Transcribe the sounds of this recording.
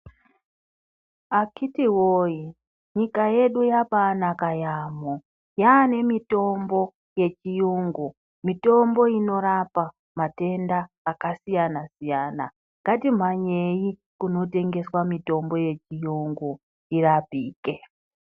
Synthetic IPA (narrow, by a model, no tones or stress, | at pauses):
akitiwoji | ɲikaje̞ɗujapaːnakajaːmu | jaːne̞mito̞mbo̞ | je̞t͡ʃijuːŋɡu | mito̞mbo̞ino̞ɾapa | mate̞ndaː | kasijanasijaːna̰ | ŋɡatim̤aɲe̞ji | kuno̞te̞ŋɡe̞swamito̞mbo̞je̞t͡ʃijuŋɡu | irapiːke